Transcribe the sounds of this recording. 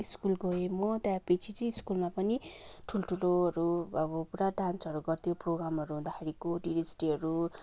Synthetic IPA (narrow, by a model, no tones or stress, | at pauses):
iskulɡʌemʌt̪jãpet͡sʰit͡sʌĩiskulmapʌniʈʰuloʈʰuloʌɾuʌbʌpuɾaɖansʌɾuɡʌrt̪ʰijoproɡɾamɦʌɾuɦũnd̪akʰeɾikoɖiɾed͡zʈiɦʌɾu